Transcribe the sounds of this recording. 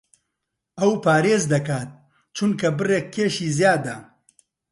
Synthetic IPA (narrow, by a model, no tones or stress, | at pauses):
ɐwpʰaːɾeːzd̪ɐkaːt̪̚ | t͡ʃʰunkʰɐbɨreːkʰːeːʃiːzjaːd̪ɐ